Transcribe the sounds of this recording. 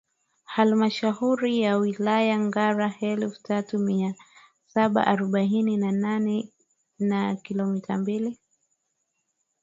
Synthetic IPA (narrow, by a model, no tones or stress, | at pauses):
halmaʃahuɾijawilajaŋɡaɾahɛlftatumia | saɓa̰ʔaɾɔɓaininananɛ | nakilɔmitʰambili